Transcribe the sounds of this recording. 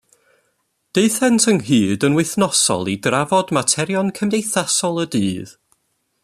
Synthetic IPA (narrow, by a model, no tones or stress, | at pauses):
d̥eɨθɛntʰənɦɨːdənwɨθnɔsɔ̰lˠidravɔdmatʰɛɾjɔnkʰəmdejθasɔlˠədɨːð